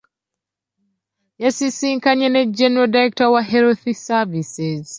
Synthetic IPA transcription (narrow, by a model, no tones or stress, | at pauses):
jasisiŋkaɲɛnɛd͡ʒɛnɛɹɔdaɾɛk̚tɔwaɦɛɾoθisavisɛz